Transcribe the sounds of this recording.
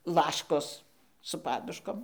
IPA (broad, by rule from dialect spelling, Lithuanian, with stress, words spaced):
ˈlˠɑːʃkoːs sʊ ˈpɑːdʊʃkoːm